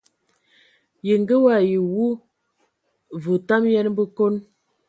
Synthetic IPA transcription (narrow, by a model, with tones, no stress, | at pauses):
je˨ŋ˦ɡə˦wa˨ji˨wu˦ | və˨ta˦mjɛ˦n˦bə˦ko˦n